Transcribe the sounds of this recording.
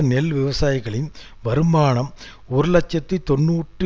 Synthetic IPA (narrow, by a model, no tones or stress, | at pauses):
ɐnɛlʋɪʋɐsaːjɪɣɐɭɪn | ʋɐɾɯmaːɳɐm | ɔɾɯlɐt͡ʃːɐt̪ːɪt̪ɔnːuːʈrɯ